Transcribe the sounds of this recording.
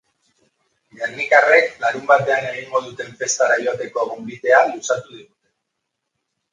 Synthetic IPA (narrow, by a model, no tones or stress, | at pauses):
ɡernikare̞klaɾumbat̪e̞ane̞ɣ̞iŋɡo̞ð̞ut̪e̞ɱfe̞st̪aɾajo̞at̪e̞ko̞eɣumbiðe̞alusat̪uð̞iɣut̪e̞